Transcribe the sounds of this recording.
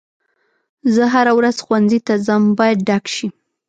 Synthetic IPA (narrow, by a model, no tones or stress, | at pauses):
zəɦaɾawɾazxwanzit̪azambɑjad̪̚ɖakʃi